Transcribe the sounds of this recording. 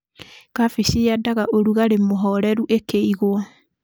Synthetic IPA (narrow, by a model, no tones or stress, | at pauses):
kafisiadaɣaʔoɾuɣaɾemoɦɔɾɛɾuʔekeiɣwa